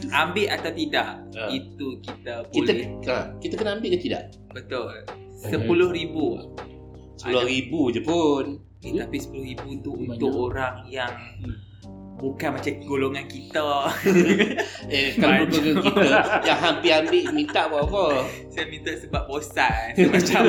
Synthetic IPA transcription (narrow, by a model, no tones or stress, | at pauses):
ambɪʔat̪awt̪idaʔ | əit̪ukit̪əbilakit̪əkənaambɪʔkət̪ida̰ʔ | bət̪ʊl | səpulʊhɾibu | sə̥pulʊɾibud͡ʒəpun | iapisə̥pulʊhɾibut̪uunt̪ʊʔoɾaŋjaŋ | bukanmat͡ʃaməɡoloŋankit̪ə | ekkalaukəkəkit̪əjaŋɦampiambɪʔmint̪aʔbaʔapə | sajamĩnt̪aʔsəbap̚bosamat͡ʃa